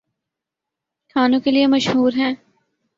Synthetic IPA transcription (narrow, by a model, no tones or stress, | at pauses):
kʰaːnõkeliemɐʃɦuːɾɦɛ̃ː